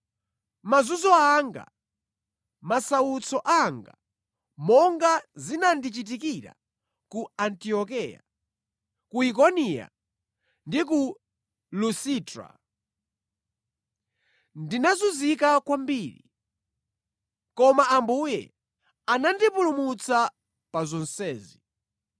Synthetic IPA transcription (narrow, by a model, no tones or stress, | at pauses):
mazuzɔaŋɡa̰ | masawut͡sʰɔʔaŋɡa | mɔŋɡazinandit͡ʃit̬ikiɾa̰ | kuantiɔkɛja̰ | kuik̬ɔnija̰ | ndik̬u | lusitɾa̰ | ndinazuzikakwambiːɾḭ | kɔmaʔambujɛ̰ | anandipulumut͡sa | pazɔnsɛːzi